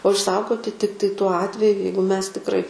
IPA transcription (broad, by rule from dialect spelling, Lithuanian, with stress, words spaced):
oː ɪʃˈsɐʊɡoːtʲɪ ˈtʲɪktɐɪ tuɔ ˈɑːtʲʋʲɛjʊ ˈjɛɪɡʊ ˈmʲɛs tʲɪkˈrɐɪ